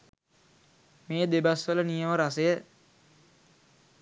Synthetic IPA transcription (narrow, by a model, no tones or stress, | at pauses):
meːd̪ebasʋələnijəməɾasəjə